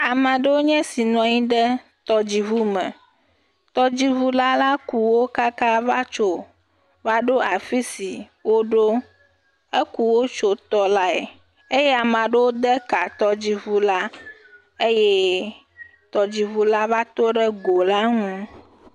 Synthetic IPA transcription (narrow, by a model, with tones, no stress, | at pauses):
a˨mã˨ɖe˦wo˦ɲɛ̃˦si˨nɔ̃˨ɲĩ˦ɖə˦ | t̪ɔ˦d͡ʑi˨vu˦mɛ̰̃˨ | t̪ɔ˦d͡ʑi˦vu˦la˦la˦ku˨wo˦ka˦ka˦va˦t͡ʃo˦ | va˦ɖo˦a˨fi˦si˨ | wo˦ɖo˦ | e˦ku˨wo˦t͡ʃo˦t̪ɔ˦la˦ḛ˨ | e˦jɛ˦a˨mã˨ɖe˦wo˦d̪ɛ˦ka˨t̪ɔ˦d͡ʑi˦vu˦la˦ | e˦jɛ˦ | t̪ɔ˨d͡ʑi˨vu˦la˦va˦t̪o˦ɖə˦ɡo˨la˦ŋũ˦